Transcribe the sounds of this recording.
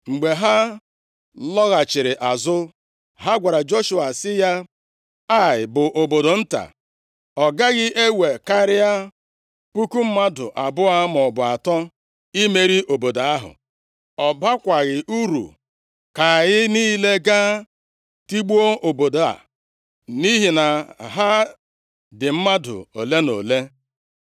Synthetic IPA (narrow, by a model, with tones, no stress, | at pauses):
ŋ͡m̩˨ɡ͡be˨ɦa˦ | lɔ˦ɣa˨t͡ʃɪ˨ɾɪ˨ʔa˨zʊ˦ | ɦa˦ɡʷa˨ɾa˨d͡ʒo˦ʃu˨a˨sɪ˦ja˦ | a˦ɪ˨bʊ˨ʔo˨bo˨do˨n̩˦ta̰˨ | ɔ˨ɡa˦ɣɪ˦ʔe˦we˨ka˦ɾɪ˦a˦ | pu˦ku˦m̩˦ma˦dʊ̰˨ʔa˨bʊ˦a˦mɔ˨bʊ˨a˨tɔ˦ | i˦me˦ɾi˦ʔo˨bo˨da˨a˦ɦʊ̰˨ | ɔ˨ba˦kʷa˨ɣɪ˨ʔu˦ɾṵ˨ | ka˨ɣɪ˦niː˦le˦ɡa˦ | ti˦ɡ͡bu˦o˦ʔo˨bo˨do˨a̰˨ | ni˦ɦi˨na˨ɦa˦ | dɪ˨m̩˦ma˦dʊ̰˨o˨le˦no̰˨le˦